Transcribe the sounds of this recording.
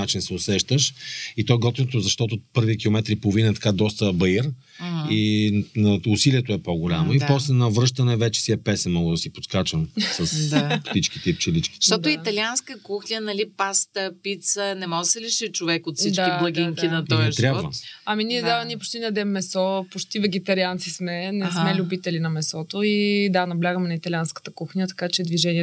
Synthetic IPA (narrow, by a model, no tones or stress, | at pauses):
nat͡ʃinsɛʊsɛʃt̪əʃit̪ɔɛɡɔt̪inot̪ozɐʃt̪ɔt̪opɤɾvik̟ʲilˠomɛt̪ɾipolˠvinɐt̪ɐ̥kad̪ɔst̪əbɐir | inɐʊsiliɛt̪oɛpoɡʊlʲamoipɔslɛnɐvɾɤʃt̪ənɛvɛt͡ʃɛ̥siɛpɛsɛnmɔɡˠəd̪ɐsipot̪kat͡ʃəmsəsd̪pt̪it͡ʃk̟it̪ɛip̚t͡ʃɛlit͡ʃkʲi̥ʃtt̪ɔʊit̪ɐlianskəkuxlʲiənɐlipast̪əpit̪sənɛmɔd̪əsɛliʃit͡ʃovɛkot̪fssidt͡ʃ̪akiblˠɐɡʲiŋk̪inɐt̪ɔɛʃt̪ɾjabbvə̰ɐminiɛd̪avɐniɛpot͡ʃt̪inɐd̪ɛmːɛsɔpot͡ʃt̪ivɛɡɛt̪ɐɾiant̪sismɛnɛsmɛlʲʊbit̪ɛlinɐmɛsɔt̪oid̪anɐblʲaɡəmɛnɐit̪ɐlʲanskə̥t̪əkuxnʲət̪ɐ̥kat͡ʃɛd̪viʒɛniɛ